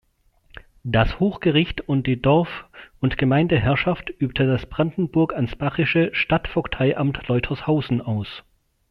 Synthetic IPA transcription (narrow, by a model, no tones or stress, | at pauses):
d̥ashoːxɡ̥əʁɪçtʊnt̚d̥iːdɔɐfʊntɡ̥əmaɪndəɦɛɐʃaftʔyːp̚tʰədasb̥ʁandn̩bʊɐkansb̥aʁɪʃəʃtatfɔktʰaɪʔamtlɔʏtʰɐshaʊzn̩ʔaʊs